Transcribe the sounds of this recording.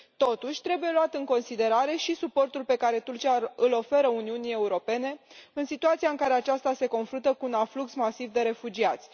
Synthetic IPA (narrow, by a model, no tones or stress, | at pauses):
t̪o̞t̪uʃʲt̪ɾe̞buje̞luat̪ɨŋko̞nsid̪e̞ɾaɾe̞ʃisupo̞rt̪ulpe̞kaɾe̞t̪urt͡ʃiaɨlo̞fe̞ɾəuniunie̞uɾo̞pe̞ne̞ɨnsit̪uat̪siaɨŋkaɾe̞at͡ʃast̪ase̞ko̞nfɾunt̪əkuːnafluksmasivd̪e̞ɾe̞fud͡ʒiat̪sʲ